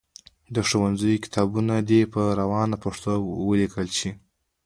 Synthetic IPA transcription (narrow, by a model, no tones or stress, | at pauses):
d̪əʂowanzəjokɪ̥t̪ʰɑbunad̪epəɾawɑnapaʂt̪owəlikəlt͡ʃi